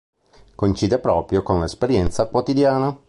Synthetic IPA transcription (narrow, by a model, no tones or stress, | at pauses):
kont͡ʃiːd̪epɾɔːpɾjokonlespeɾjɛnt̪sakwot̪id̪jaːna